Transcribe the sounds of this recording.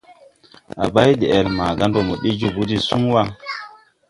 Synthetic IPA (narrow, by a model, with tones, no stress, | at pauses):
a̰˨ba˦jɗɛ˨ɛ˨lma˨ɡa˦ndɔ˨mɔ˨ɗi˦d͡ʒu˨bu˦di˦su˦ŋwa˦